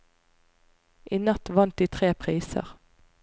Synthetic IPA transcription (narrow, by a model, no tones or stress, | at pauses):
ʔiːnɑt̪ʋɑnt̪̚d̪iːt̪ʰʁeːpʰʁiːsə̰ʁ